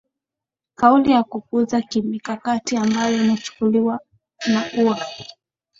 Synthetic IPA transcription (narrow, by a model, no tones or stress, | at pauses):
kaulijakuk̚uzakimikakatiambajɔinat͡ʃu̥kuliwa | nakuwa